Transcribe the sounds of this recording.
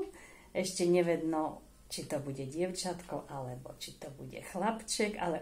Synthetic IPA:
ʔɛʃcɛɲɛʋɛd̪nɔ | t͡ʃit̪ɔbuɟɛɟɪɛʊt͡ʃat̪kɔʊʔalɛbɔt͡ʃit̪ɔbṵɟɛ̰xlapt͡ʃɛɡa̰lɛ

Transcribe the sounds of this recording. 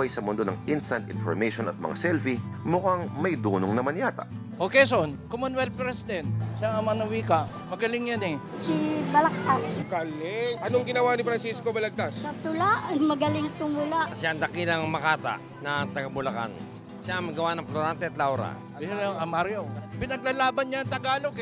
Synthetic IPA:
ɐjsɐmʊnd̪onɐ̰ŋʔinst̪ɐnt̪ɪ̰nfo̰ɾmejʃonɐ̰t̪̚mɐ̰ŋasɛlfi | mʊkaŋmɐjd̪uːnoŋnɐmɐnjaːt̪a̰ʔ | ʔoːkejsɛʔonkomonwɛlpɾɛsɪd̪ɛnt̪̚ʃaʔɐmɐnɐwiːkɐʔ | mɐɡɐlɪŋjanɛ | sibɐlɐk̚t̪askɐlɛʔɐnoŋɡɪnɐwanɪfɾɐnsiskobɐlɐɡ̚t̪asɐt̪ʊlaʔɐjmɐɡɐlɪŋt̪ʊŋʊlaʔʃaʔɐŋd̪ɐkilɐŋmɐkaːt̪a̰ʔ | nɐŋt̪ɐɡɐbʊlɐka̰n | ʃaɐŋmɐɡɐwanɐŋploɾant̪ɛɐt̪lawɾa̰ | ɐmaɾjopɪnɐɡ̚lalaːbɐnɲaɐŋt̪ɐɡaːlok

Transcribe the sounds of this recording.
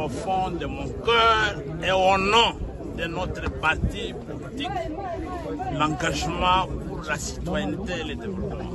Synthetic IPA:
õfɔ̃d̪əmɔ̃kœʁ | eonɔ̃ | d̪ənɔt̪ɾəpaʁt̪ipɔlit̪ik | lãɡaʒmɑ̃pulasi̥t̪wajɛnt̪eeled̪evɛlɔpmɑ̰̃

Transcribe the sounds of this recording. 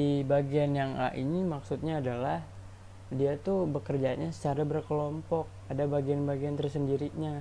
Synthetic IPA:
ibaɡianjaŋa̰ʔinimaksut̪̚ɲaːdalah | diat̪ubəkərd͡ʒaɲasə̥t͡ʃaɾabərkəlɔmpɔk̚adabaɡianbaɡiant̪ərsəndiɾiɲa

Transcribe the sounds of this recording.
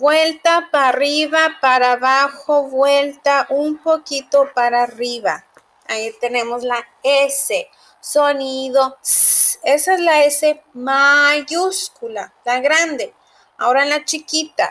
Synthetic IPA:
bwelt̪apariβapaɾaβaxoβwelt̪aʔumpokit̪opaɾariβa | ait̪enemosla | ese | soniðo | esaezlaesemaʝuskulalaɣɾand̪e | aoɾalat͡ʃikit̪a̰

